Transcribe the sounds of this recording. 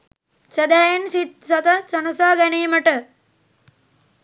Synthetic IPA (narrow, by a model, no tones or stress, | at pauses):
sɐd̪ajɐnsit̪̚sɐt̪ɐsɐnɐsɐːɡɐneːmɐʈɐ